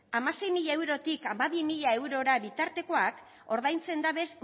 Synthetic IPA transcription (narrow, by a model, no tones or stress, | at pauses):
amase̞jmiʎae̞wɾo̞t̪ikamaβimiʎae̞wɾo̞ɾaβit̪aɾt̪e̞ko̞ak | o̞ɾðajnt͡se̞nd̪aβe̞s